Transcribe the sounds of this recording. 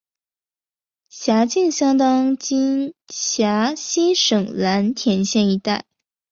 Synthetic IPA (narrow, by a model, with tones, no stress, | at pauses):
ɕja˧˥t͡ɕi˥˩ŋɕjɑ˥ŋt̪ɑ˥ŋt͡ɕi˥nɕja˧˥ɕi˥ʂɤ˨˩ŋla˧˥nt̪ʰjɛ˧˥nɕjɛ˥˩ni˧˥t̪a˥˩ɪ